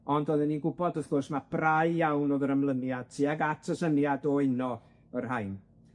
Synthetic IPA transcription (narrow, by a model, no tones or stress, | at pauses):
ɔndoðɪninɡʊbɔdəθɡ̥ʊrsmab̥rajjawnoðəɾəmlˠənjad̚tʰiaɡatʰəsənjadɔɪnɔ | ərhajn